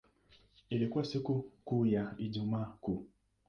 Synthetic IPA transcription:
eɾekʷɔsikukujaid͡ʒumaku

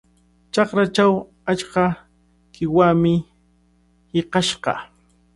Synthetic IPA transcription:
t͡ʃɑχɾat͡ʃaw | at͡ʃka | kɪwamɪ | hɪqɑʃɢɑ̰

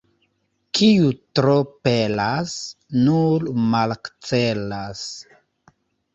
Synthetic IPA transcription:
kʰiutɾopelasnuɾmalkt͡selas

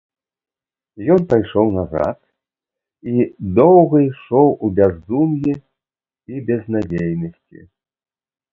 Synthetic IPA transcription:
jɔnpajʂɔwnaza̰t̪̚ | id̪ɔwɣɐjʂɔwubʲazd̪umji | ibʲɛznad͡zʲejnɐsʲt͡sʲḭ

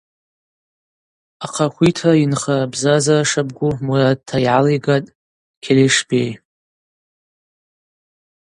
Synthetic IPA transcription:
aqʰaχʷitʰainχabzazaʂab̚ɡʷumurad̚tʰːajʕalijɡatʼ | kʲʰeleʂbej

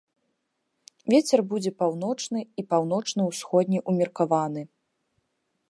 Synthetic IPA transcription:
vʲet͡sʲɛrbud͡zʲɛpawnɔt͡ʂnɨipawn̪ɔt͡ʂnɨwsxɔd̪ʲnʲiʔumʲirkavan̪ɨ

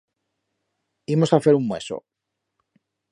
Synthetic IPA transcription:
imo̞saθe̞ɾummwe̞̰so̰

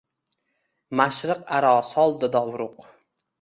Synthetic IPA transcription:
maʃɾɨqaɾɒsɒlˠd̪ɪd̪ɒwɾʊq

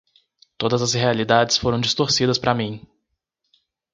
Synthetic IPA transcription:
t̪od̪ɐzɐzhealid̪ad͡ʒɪsfoɾɐ̃w̃d͡ʒist̪oɾsid̪ɐspɾamĩ

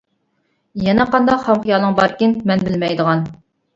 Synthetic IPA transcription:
jɛnɛqɑnd̪ɑqχɑmqʰʊjɑlˠəŋbɑɾkʲɪnmɛnbɪlmɛjd̪əʁɑn

